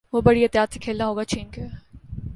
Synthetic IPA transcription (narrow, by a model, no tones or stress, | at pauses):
ʋobɐɽiɦɪt̪jaːt̪se̥kʰeːlnaɦoːɡat͡ʃeːnke